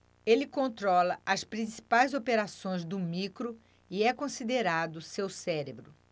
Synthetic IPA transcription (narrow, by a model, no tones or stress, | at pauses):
elɪkõnt̪ɾɔlɐʔɐspɾĩsi̥pajzopeɾasõj̃zd̪ʊmikɾʊ | iɛkõsid̪eɾad̪ʊsewsɛɾebɾʊ